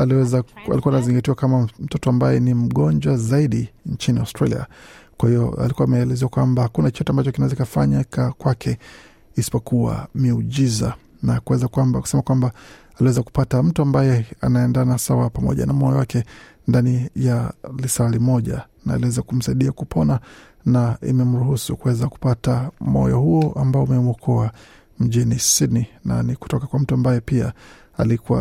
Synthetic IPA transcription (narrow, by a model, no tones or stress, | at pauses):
aliwɛzaa̰likuanaziŋɡatiwakamam̩tɔtɔambajɛnim̩ɠɔɲd͡ʒwazaiɗiɲt͡ʃiniaʊstɾalḭa̰kwahijɔ̰a̰likuamɛɛlɛzɛwakwambahakunat͡ʃɔtɛambat͡ʃɔkinaɛzaikafaɲakakwakʰɛ | isi̥pɔkʰuwa̰miuʄiza̰ | nakuwɛzakuwambaku̥sɛmakwamba | aliwɛzaku̥patam̩tuambajɛa̰naɛndanasawapamɔ̰ʄa̰namɔjɔwakʰɛ | ndanijalisalimɔʄa̰ | na̰ːliwɛzakum̩saiɗiakupʰɔna | naḭmɛm̩ɾuhusukuwɛzaku̥patamɔ̰jɔ̰huɔʔambaɔumɛmuɔkʰɔa | m̩ʄinisinina̰niku̥tɔkakwam̩tuambajɛpia̰ | a̰likuwa̰